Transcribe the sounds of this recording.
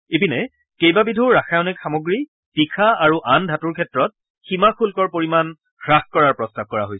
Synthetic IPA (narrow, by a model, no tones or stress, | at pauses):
epinɛ | kejbabidʱuɹːaxʰajɔnɛkxamoɡɹi | pikʰaaɹuʔandʱatuɹkʰɛtɹɔt̚ | ximakʰulkɔɹpoɹiman | ɡɹaxkɔɹaɹpɹɔstab̚kɔɹa̰ɦojs